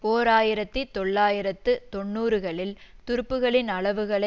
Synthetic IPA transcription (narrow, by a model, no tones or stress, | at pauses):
poːɾaːjɪɾɐt̪ːit̪ːɔɭːaːjɪɾɐt̪ːɯt̪ɔɳːuːɾɯɣɐɭɪlt̪ʊɾɯpːɯɣɐɭɪnɐɭɐʋɯɣɐɭɐ